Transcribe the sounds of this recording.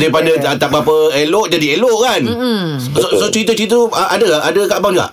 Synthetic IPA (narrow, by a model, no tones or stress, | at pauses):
daipadəət̪aʔ̚bap̬əelɔʔd͡ʒadielɔʔkan | sot͡ʃit̪̬ət͡ʃit̪əəʔa̰dəʔadəkaʔbaŋa̰ʔ